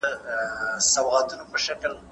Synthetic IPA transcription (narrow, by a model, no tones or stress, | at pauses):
ə | sawat̪unopəʃakl